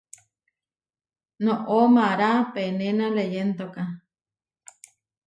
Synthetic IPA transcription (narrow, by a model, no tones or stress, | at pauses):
noʔomaɾapenenalejent̪oka